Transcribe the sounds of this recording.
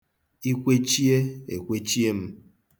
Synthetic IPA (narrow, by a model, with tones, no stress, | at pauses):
i˦kʷe˦t͡ʃi˦e˦e˨kʷe˦t͡ʃi˦e˦m̩˦